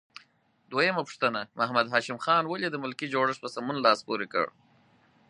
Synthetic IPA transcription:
d̪wojəmapʊ̥ʂt̪ənamʔahmad̪ɦɑːʃɪmxɑnwaled̪əmʊlkid͡ʒoɽəʂpəsamunlɑspoɾekə̰ɽ

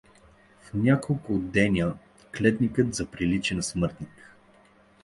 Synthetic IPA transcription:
fnʲakolˠkʊd̪ːɛnʲə | klɛt̪nikət̪zɐpɾilit͡ʃɛnɐsmɤɾt̪nik

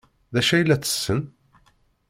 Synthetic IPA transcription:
ðæʃæjlːæt͡sːə̥sːən

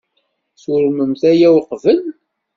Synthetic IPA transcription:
θʊɾməmθæjæwqvəl

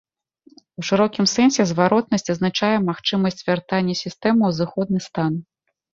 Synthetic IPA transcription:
wʂɨɾɔkʲimsɛnsʲɛzvaɾɔt̪̚nɐsʲt͡sʲɐznat͡ʂajɛmaxt͡ʂɨmɐsʲt͡sʲvʲart̪anʲːɛsʲist̪ɛmɨwzɨxɔd̪̚nɨst̪an

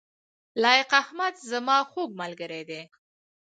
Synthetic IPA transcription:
lɑjɪqahmad̪zamɑxoɡ̚malɡəɾed̪e

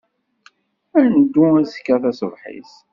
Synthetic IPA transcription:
ænd̪ːuæzə̥kːæθæsəvħḭs

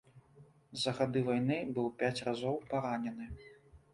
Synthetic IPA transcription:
zɐɣad̪ɨvajnɨbɨwpʲat͡sʲrazɔwpaɾanʲɛnɨ

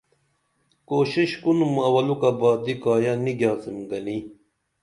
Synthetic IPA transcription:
koːɕiɕkunumɐwɐlukɐbaːd̪ikaːjɐniɡjaːsimɡɐni

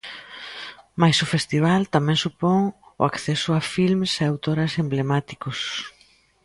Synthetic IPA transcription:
majsʊfest̪iβ̞alt̪amɛ̃ŋsupɔŋʊ̰akθɛsʊafilmseawt̪oɾɐsemblemat̪i̥kʊs

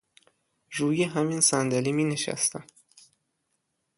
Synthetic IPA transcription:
ɾuːjeɦæminsænd̪æliːmiːneʃæ̰st̪æm

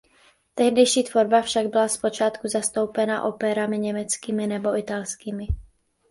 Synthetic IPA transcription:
t̪ɛɦdɛjʃiːt̪vo̞ɾbafʃaɡ̚bɪlaspo̞t͡ʃaːt̪kuzast̪o̞wpɛna̰ʔo̞pɛɾamɪɲɛmɛt͡skiːmɪnɛbo̞ʔɪt̪alskiːmɪ

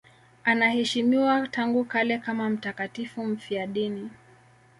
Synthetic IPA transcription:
anahɛʃimiwataŋɡukalɛkamam̩takatifum̩fiaɗini

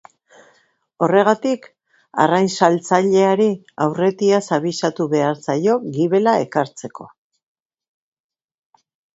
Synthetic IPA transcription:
o̞re̞ɣ̞at̪ik | a̰rajnsalt͡saʎe̞aɾi | awre̞t̪iasaβisat̪uβe̞aɾt͡sajo̞ɣiβe̞lae̞kaɾt͡se̞ko̞̰

